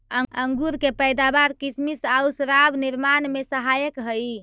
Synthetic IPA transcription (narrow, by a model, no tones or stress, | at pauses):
əəŋɡuɾkepəjd̪abaɾkismisausɾabniɾmanmesəɦajəkɦəj